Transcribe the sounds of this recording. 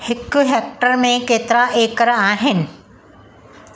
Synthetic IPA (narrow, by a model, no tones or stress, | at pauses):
hɪkʊɦeːk̚ʈəɾmẽkeːt̪ɾaʔeːkəɾaːɦɪnɪ̆